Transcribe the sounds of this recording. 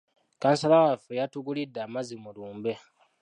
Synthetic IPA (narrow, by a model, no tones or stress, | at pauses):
kaːnsalawafejatuɡulidːaːmazimuluːmbe